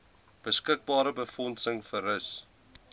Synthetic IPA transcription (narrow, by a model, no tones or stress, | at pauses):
b̥əskək̚bɑːɾəbəfɔnsəŋfərəs